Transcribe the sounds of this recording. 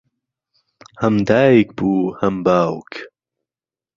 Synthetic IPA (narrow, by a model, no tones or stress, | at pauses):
hɐmd̪aːjikbuːhɐmbaːwk